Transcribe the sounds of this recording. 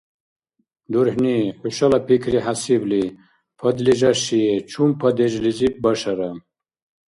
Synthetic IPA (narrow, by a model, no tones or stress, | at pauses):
d̪uɾhniħuɕɐlɐpikʰɾiɦasibli | pʰɐd̪liʑɐɕijet͡ʃʰumpʰɐd̪eʑlizip̚bɐɕɐɾɐm